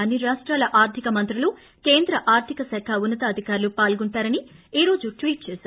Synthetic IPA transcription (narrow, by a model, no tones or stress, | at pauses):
ɐnːiɾaːʂʈɾaːlɐʔaːɾt̪ʰikɐmɐnt̪ɾulu | keːnd̪ɾɐʔaːɾt̪ʰikɐsɐkʰɐunːɐt̪ɐːd̪ʱikaːɾulupaːlɡuɳʈaːɾɐniiːɾo̞ːd͡ʒuʈʋiːʈ̚t͡ʃɛːsaːɾu